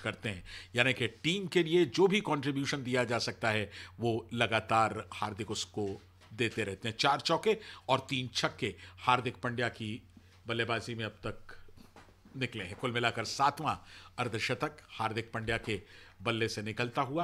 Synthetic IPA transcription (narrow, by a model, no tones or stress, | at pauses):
kɐɾt̪eɦɛ̃ːjaːnekeʈiːmkelied͡ʒoːbʱikɔ̃ːɳʈɾɪbjuːʃənd̪ijad͡ʒaːsɐk̚t̪aɦɛʋolɐɡaːt̪aːɾhaːɾd̪ʱɪkʊsko | d̪eːt̪eɾɛɦt̪eɦɛ̃t͡ʃaːɾt͡ʃɔːkeɔːɾt̪iːnt͡ʃʰɐkːehaːɾd̪ʱɪk̚pɐ̃ɳɖjaki | bɐlːebaːzimẽɐb̚t̪ɐk̚ | nɪkleɦɛ̃kʊlmɪlakɐɾsaːt̪mãɐɾd̪ʱɪʃət̪ɐkhaːɾd̪ʱɪk̚pɐ̃ɳɖjakebɐlːesenɪkəlt̪aɦua